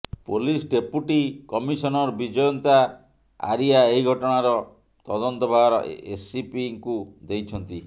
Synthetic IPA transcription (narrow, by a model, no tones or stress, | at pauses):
polisɖepuʈikɔmisɔnɔɾbid͡ʒɔjɔnt̪a | a̰ɾiaeɦiɡʱɔʈɔɽ̃aɾɔ | t̪ɔd̪ɔnt̪ɔbʱabɾɔ̰esipiŋkud̪ejt͡ʃʰɔnt̪i